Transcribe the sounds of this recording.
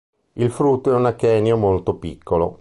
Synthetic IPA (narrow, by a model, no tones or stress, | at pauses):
ilfɾut̪ːoɛunakːɛːniomolt̪opikʰːolo̰